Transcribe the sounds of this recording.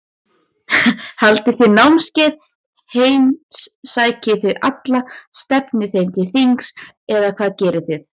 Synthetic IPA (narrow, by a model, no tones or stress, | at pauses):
halt̪ɪθɪðnawmscɛːð | heːjmssaːjcɪθɪðʔa̰t̪last̪ɛpnɪθejmt̪ʰɪlθiŋks | ɛðakʰvaːðcɛːɾɪθɪð